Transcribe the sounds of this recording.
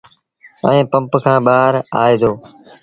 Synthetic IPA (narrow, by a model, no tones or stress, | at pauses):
ə̰ẽːpə̃mpkʰãːɓaːɾaːeːd̪oː